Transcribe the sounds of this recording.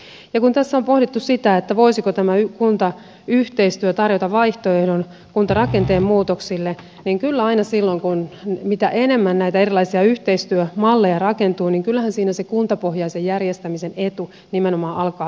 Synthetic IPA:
jɑkunt̪æsːæompo̞hdit̪ːussit̪æet̪ːæʋo̞isikot̪æmæykunt̪ɑ | yht̪eist̪yøt̪ɑrjot̪ɑʋʋɑiht̪oe̞hdon | kunt̪ɑrɑke̞nt̪eːmmuːt̪oksilːe | niŋkylːæɑinɑsilːo̞ŋkunmit̪æʔene̞mːænnæijt̪æerilɑisiɑyht̪eist̪yømɑlːejɑrɑkent̪uːniːŋkylːæhænsiːnæsekunt̪ɑpohjɑisejjærjest̪æmisenet̪u | nimenomɑːʔɑlkɑː

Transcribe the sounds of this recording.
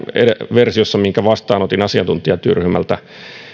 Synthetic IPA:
ḛeʋersiosːɑmiŋkæʋɑst̪ɑːnot̪inɑsiɑnt̪unt̪iɑt̪yryhymæ̰lt̪æ̰

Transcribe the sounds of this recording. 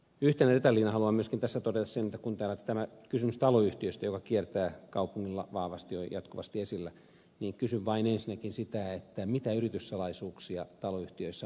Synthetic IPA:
yht̪enæret̪ɑlːiːnɑhɑluɑmmyøskint̪æsːæt̪odet̪ɑssenet̪ːækunt̪æːlːæt̪æmækysymyst̪ɑloyht̪iøst̪æjokɑkiert̪æːkɑupuŋːilːɑ̰ʋɑːʋɑst̪iojɑt̪kuʋɑ̰st̪iesilːæ | niːŋkysyʋʋɑinensinækinsit̪æet̪ːæmit̪æyrit̪yssɑlɑisuːksiɑt̪ɑloyht̪iøisːæ

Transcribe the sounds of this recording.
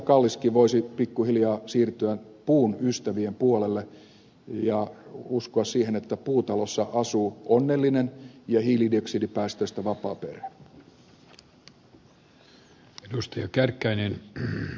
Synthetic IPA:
kɑlːiskiʋoisipikːuhiljɑːsiːrt̪yæpuːnyst̪æʋiempuolelːe | jɑuskoɑssiːhenet̪ːæpuːt̪ɑlosːɑʔɑsuːʔonːelːinenjɑhiːlidioksidipæːst̪øst̪æʋɑpɑ̰ːperæ̥ | edust̪ɑjɑkærkːæinen

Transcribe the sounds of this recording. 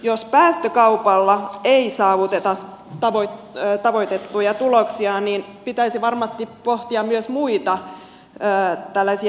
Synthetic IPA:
jospæːst̪økɑupɑlːɑeisɑːʋut̪et̪ɑ | t̪ɑʋot̪ːt̪ɑʋoit̪et̪ːujɑt̪uloksiɑniːnpit̪æisiʋɑrmɑst̪ipoht̪iɑmmyøsmuit̪ɑ | əːt̪ælːæsiæ

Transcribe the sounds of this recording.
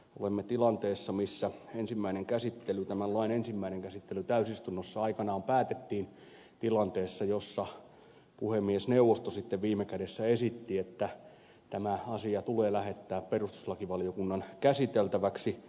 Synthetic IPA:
o̰lemːet̪ilɑnt̪eːsːɑmisːæensimːæineŋkæsit̪ːelyt̪æmænlɑinensimːæineŋkæsit̪ːelyt̪æysist̪unːosːɑɑikɑnɑːmpæːt̪et̪ːiːn | t̪ilɑnt̪eːsːɑjosːɑ | puhemːiesneuʋːˑost̪osit̪ːeʋʋiːmːekædesːæesit̪ːiet̪ːæ | t̪æmæɑsiɑt̪uleːlæhet̪ːæːpperust̪u̥slɑkiʋɑlijokunːɑnkæsit̪elt̪æʋæksi

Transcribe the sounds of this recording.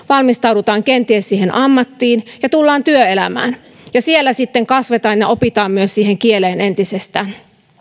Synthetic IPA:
ʋɑlmist̪ɑuwdut̪ɑːŋkent̪iessiːhenʔɑmːɑt̪ːiːnjɑt̪ulːɑːnt̪yøelæ̰mæ̰ːn | jɑsielːæsit̪ːeŋkɑsʋet̪ɑːnjɑʔopit̪ɑːmmyøssiːheŋkieleːne̞nt̪isest̪æːn

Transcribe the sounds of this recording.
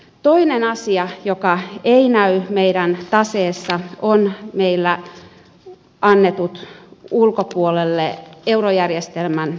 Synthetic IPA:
t̪oinenɑsiɑjokɑeinæymeiɾænt̪ɑseːsːɑonmeilːæ | ɑnːet̪ut̪ulkopuolelːeeurojærjest̪elmæn

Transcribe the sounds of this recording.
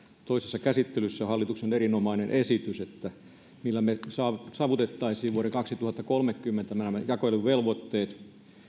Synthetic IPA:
t̪oisesːɑkæsit̪ːelysːæhɑlːit̪uksenerinomɑinenʔesit̪yset̪ːæ | milːæmesɑːsɑːʋut̪et̪ːɑisiːʋʋuoɾekɑksit̪uhɑt̪ːɑkolmekːymːent̪æmænæmːæjɑkoelːuʋʋelʋot̪ːeːt̪

